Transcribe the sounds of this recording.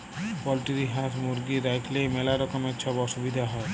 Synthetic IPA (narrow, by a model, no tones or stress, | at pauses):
pɔlʈiɾiɦat̪muɾɡid̪ajkʰlemɛlaɾɔkomekt͡ɕʰɔbɔʃubid̪ʱaɦɔe